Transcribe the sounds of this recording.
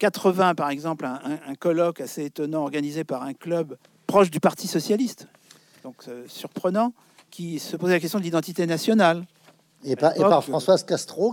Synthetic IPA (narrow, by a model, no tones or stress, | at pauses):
kat̪χəvɛ̃paʁɛɡzɑ̃plɛ̃ɛ̃ɛ̃kɔlɔkaseet̪ɔnɑ̃ɔʁɡanizepaʁɛ̃klœb | pχɔʃd̪ypaʁt̪isɔsjalist̪ | d̪̥ɔ̃ksyʁpχənɑ̃ | kʲisəpozɛlakɛst̪jɔ̃d̪əlid̪ɑ̃t̪it̪enasjɔnal | epaepaʁfɑ̃swazkast̪χo